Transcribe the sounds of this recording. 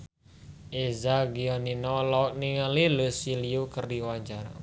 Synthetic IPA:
ʔezaɡiɔninɔlɔk̚niŋalilʊsiliukərdiwaɲt͡ʃaɾa̰

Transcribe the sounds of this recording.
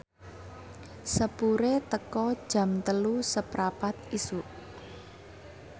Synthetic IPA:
səpuɾet̪əkɔd̥ʒ̥ä̤mt̪əlusəpɾapat̪̚isuʔ

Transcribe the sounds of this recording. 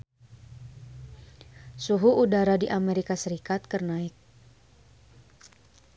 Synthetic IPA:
suɦuudaɾadiʔameɾikasəɾikat̪̚kərnaɪk̚

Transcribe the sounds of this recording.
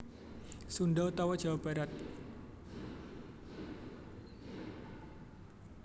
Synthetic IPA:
sundawt̪awad̥ʒ̥awab̥aɾat̪̚

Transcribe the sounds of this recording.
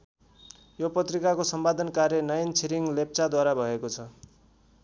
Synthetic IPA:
jopʌt̪rikakosʌmbad̪ʱʌnkarjʌnʌjʌnt͡sʰiɾiŋlep̚t͡sad̪waɾabʱʌekot͡sʰʌ

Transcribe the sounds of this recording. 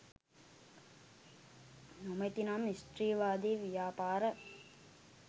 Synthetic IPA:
nomət̪inamisʈriːʋaːd̪iːʋijaːpaːɾə

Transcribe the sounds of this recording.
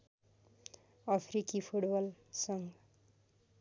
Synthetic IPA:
ʌpʰɾikipʰuʈbʌlsʌŋ

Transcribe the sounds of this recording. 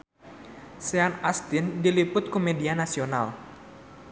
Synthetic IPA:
seanast̪ɪndilipʊt̪̚komedianasional

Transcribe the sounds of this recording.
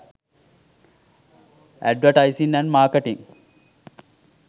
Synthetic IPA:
ʔæ̰ɖʋɐʈajsinːænmaːkeʈiŋ

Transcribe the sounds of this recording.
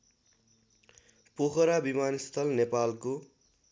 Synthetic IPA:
pokʰʌɾabimanist̪ʰʌlnepalko

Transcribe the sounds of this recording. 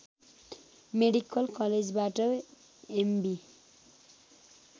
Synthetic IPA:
meɽikʌlkʌled͡zbaʈʌ | embi

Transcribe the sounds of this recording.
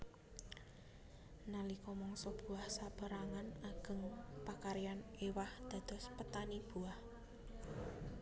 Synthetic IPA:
nalikɔmɔŋsɔb̥ṳahsab̥ə̤ɾaŋanaɡ̥ə̤ŋpakaɾijanewahd̪̥ä̤d̪̥ɔ̤spət̪anib̥ṳah

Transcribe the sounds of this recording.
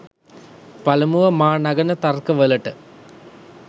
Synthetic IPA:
pɐlɐmuʋɐmaːɳɐɡɐnɐt̪ɐrkɨʋelɐʈːɨ

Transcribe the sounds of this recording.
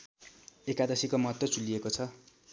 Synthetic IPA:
ekad̪ʌsikomʌɦʌt̪wʌt͡sulːiekot͡sʰʌ

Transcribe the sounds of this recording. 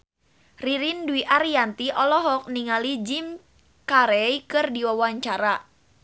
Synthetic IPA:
riɾinduiʔaɾijant̪iʔɔlɔɦɔk̚niŋalid͡ʒim | kaɾɛjkɨrdiwawaɲt͡ʃaɾa

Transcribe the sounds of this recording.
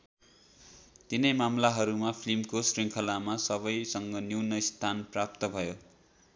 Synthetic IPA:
t̪inʌjmamlaɦʌɾumapʰlimkosriŋkʰʌlamasʌβʌjsʌŋɡʌniwnʌist̪ʰanprap̚t̪ʌbʱʌjo

